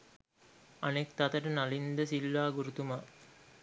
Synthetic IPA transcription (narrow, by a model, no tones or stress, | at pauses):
ɐnek̚t̪aɐt̪əʈənalind̪əsilːaːɡuɾut̪uma